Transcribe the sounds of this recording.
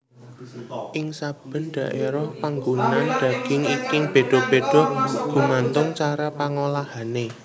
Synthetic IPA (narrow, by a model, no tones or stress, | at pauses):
ʔɪŋsab̥ə̤nɖ̪̥a̤ʔeɾɔpaŋɡunand̪̥ä̤ɡ̥ɪŋikɪŋb̥e̤ɖ̪̥ɔ̤b̥ed̥ɔ̤ɡ̥ṳmant̪ʊŋt͡ʃaɾapaŋolahane